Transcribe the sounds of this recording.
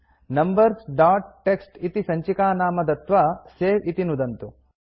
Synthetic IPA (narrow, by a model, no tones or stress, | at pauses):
nɐmbɐɾsɖaːʈːeksʈit̪isɐɲt͡ʃikaːnaːmɐd̪ɐt̪ʋɐseːʋit̪inud̪ɐnt̪u